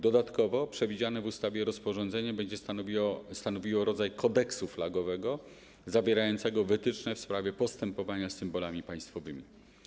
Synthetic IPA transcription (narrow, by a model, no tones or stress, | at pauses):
d̪ɔd̪at̪kɔvɔpʂɛvʲid͡ʑanɛvust̪avʲjɛɾɔspɔʐɔnd̪zɛɲabɛɲd͡ʑɛ | st̪anɔvʲiwɔɾɔd̪zajkʰɔd̪ɛksuflaɡɔvɛɡɔ | zavʲɛɾajɔnt̪sɛɡɔvɘt̪ɘt͡ʂnɛfspɾavʲjɛpɔst̪ɛmpɔvaɲasɘmbɔlamʲipaj̃st̪fɔvɘmʲi